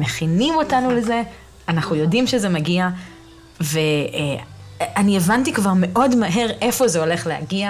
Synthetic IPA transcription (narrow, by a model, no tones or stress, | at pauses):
me̞χinimo̞tanule̞ze̞ | anaχnujo̞dimʃezemaɡia | ve | anievantikvaʁme̞ʔo̞dmaɦe̞ʁe̞fo̞zeo̞le̞χleha̰ɡia